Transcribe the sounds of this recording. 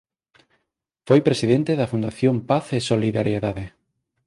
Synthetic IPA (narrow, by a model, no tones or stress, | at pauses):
fojpɾesiðent̪eðɐfund̪aθjompaθesoliðaɾjeðaðe